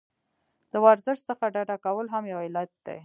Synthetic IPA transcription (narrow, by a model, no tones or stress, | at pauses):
d̪̥əwaɾzɪʂsəxaɖaɖakawəlɦamjawɪlat̪̚d̪̥ḛ